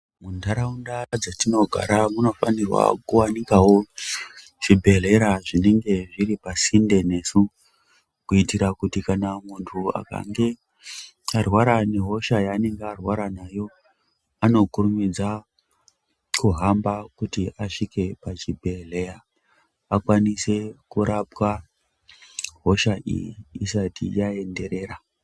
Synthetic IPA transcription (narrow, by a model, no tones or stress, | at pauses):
mundʱaɾaundad͡zatino̞ɡʱa̰ɾamuno̞fanirwa̰kuwanikawo̞ | ʐ̥ibʱe̞le̞ɾaʐineŋɡe̞ʐiɾipasinde̞ne̞su | kuitiɾakutikanamuntʰua̰ka̰ŋɡe̞ | arwaɾane̞ɦo̞ʃajaːne̞ŋɡearwaɾanajo̞ | ano̞kurumid͡za | kuɦambakutiaʂike̞pat͡ʃibʱe̞le̞ja | akwanise̞kuɾʔap̚wa | ɦo̞ʃaʔḭjiːsatḭjae̞nde̞ɾe̞ːɾa